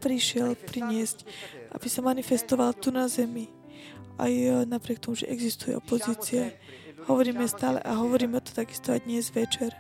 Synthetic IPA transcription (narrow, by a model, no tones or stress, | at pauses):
pɾiʃɪɛlpɾiɲɪɛzcʔa̰b̥isamanifɛst̪ɔʋalt̪unazɛmi | ʔa̰jnapɾɪɛkt̪ɔmuʒɛ̰ʔɛɡzist̪ujɛ̰ʔɔpɔziːt͡siɛ | hɔʋɔɾiːmɛst̪aːlɛ̰ʔaɦɔʋɔɾiːmɛt̪ɔ̥t̪aɡist̪ɔajd̪ɲɛzʋɛt͡ʃɛɾ